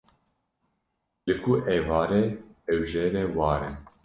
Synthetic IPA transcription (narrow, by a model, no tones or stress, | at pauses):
lɨkʰuʔɛːvɑːɾɛɛwʒɛɾɛwɑːɾɨn